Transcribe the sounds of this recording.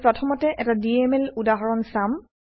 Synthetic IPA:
pɹɔtʰɔmɔtɛʔɛtadiɛmɛludaɦɔɹɔnsam

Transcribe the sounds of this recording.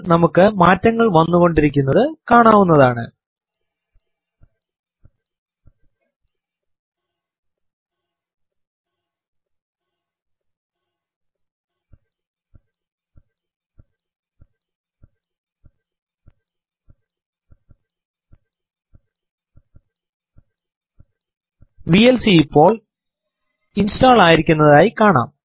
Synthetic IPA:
nɐmukːɨmaːtːɐŋːɐɭʋɐnːuɣo̞ɳɖiɾik̬ʲːun̪ːɐðɨkaːɳaːwunːɐðaːɳɨ̰ | ʋielsijipːo̞ːɭ | instaːɭaːjiɾikʲːunːɐðaːjikaːɳa̰ːm

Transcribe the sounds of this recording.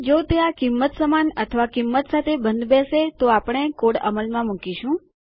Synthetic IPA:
d͡ʒot̪eakimːət̪səmanət̪ʰəʋakimːət̪sat̪ʰebənd̪bɛset̪oapəɳ̃ekoɽə̰məlmãmukiʃũ

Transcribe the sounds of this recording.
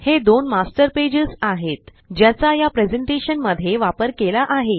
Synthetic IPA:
hed̪onmasʈəɾped͡ʑəsaɦet̪ | d͡ʑjat͡sajapɾed͡zeɳʈeɕənməd̪ʱjeʋapəɾkelaʔaɦe

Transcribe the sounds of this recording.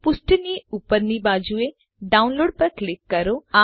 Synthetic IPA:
pʊsʈniupəɾnibaːd͡ʒue | ɖaːʊnloːɖ̚pɐɾklɪkːɐɾoa

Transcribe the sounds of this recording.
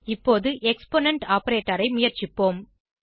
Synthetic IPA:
ɪpːoːðɯʔɛkspoːnɛɳʈaːpɐɾeːʈːɐɾɐɪmʊjɐɾt͡ʃɪpːoːm

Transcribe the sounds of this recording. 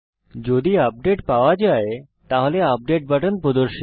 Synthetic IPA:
d͡ʑod̪iəp̚ɖeʈpaʋad͡ʑae | t̪aɦoleəp̚ɖeʈ̚bəʈənpɾod̪əɾʃi

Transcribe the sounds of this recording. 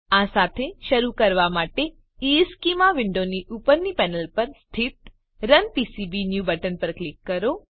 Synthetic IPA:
asat̪ʰeʃəɾukəɾʋamaʈe | iskimaʋɪɳɖoniʔupəɾnipɛnəlpəɾst̪ʰit̪ | ɾənpisibinjubəʈənpəɾklikːəɾo

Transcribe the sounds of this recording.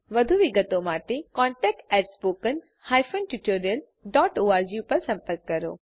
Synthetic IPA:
ʋɐd̪ʱuʋɪɡət̪omaːʈ̪ekɔ̃ːɳʈɛːk̚ʈɛːʈspoːkən | haːjfonʈjuʈoːɾijəl | ɖɔːʈoːaːɾd͡ʑijupɐɾsɐ̃mpəɾkːɐɾo̰ː

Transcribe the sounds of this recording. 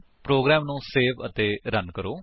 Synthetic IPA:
pɾoːɡɾɛːmnũːseːʋət̪eːɾənkəɾoː

